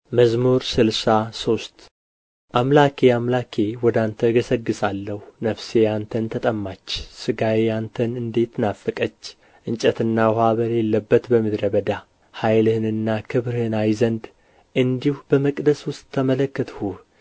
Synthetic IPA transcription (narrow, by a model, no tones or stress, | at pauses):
məzmoɾsɨlsaso̞st̪ | ʔamlakʰeamlakʰewɔd̪ant̪ʰəɡəsəɡːɨsalːəhunəfse̞jant̪ʰənt̪ʰət̪ʼəmːat͡ʃːsɨɡajejant̪ʰənɨnd̪e̞t̪nafːɨkʼət͡ʃː | ʔɨnt͡ʃʼət̪ʰɨnːawohaβəɾjɛlːəbːət̪bəmɨd̪ɾəbəd̪a | hajlhɨnɨnːakʰɨβɾɨhɨnajzənd̪ | ʔɨnd̪ihubəməkʼd̪əswʊst̪ʼʰːəmələkːət̪ʰhu